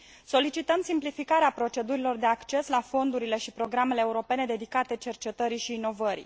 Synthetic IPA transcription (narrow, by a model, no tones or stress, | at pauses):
so̞lit͡ʃit̪əmsimplifikaɾeapɾo̞t͡ʃe̞d̪uɾilo̞rd̪e̞akt͡ʃe̞slafo̞nd̪uɾile̞ʃipɾo̞ɡɾame̞le̞ːuɾo̞pe̞ne̞d̪e̞d̪ikat̪e̞t͡ʃe̞rt͡ʃe̞t̪əɾiʃiːno̞vəɾḭ